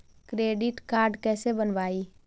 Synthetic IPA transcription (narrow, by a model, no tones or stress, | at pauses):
kɾeːɖɪʈkaːɾɖkɛːsebənʋaːiː